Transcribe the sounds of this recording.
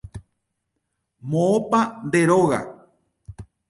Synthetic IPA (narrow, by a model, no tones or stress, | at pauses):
mõopand̪eɾoɣa̰